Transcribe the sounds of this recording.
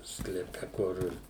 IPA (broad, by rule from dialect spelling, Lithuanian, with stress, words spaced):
sklʲɛˈpʲɛ ˈkʊr